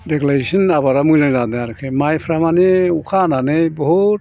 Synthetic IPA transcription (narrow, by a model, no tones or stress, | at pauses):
deklaɾisɔnabaɾamujnazad̪aaɾkʰemajpʰɾamaneukʰananɯjbɔɦut̚